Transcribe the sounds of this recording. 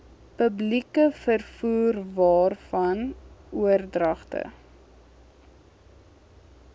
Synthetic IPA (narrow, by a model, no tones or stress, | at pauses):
pəblikəfərfuːrvɑːrfɐnuərdrɐχtə̰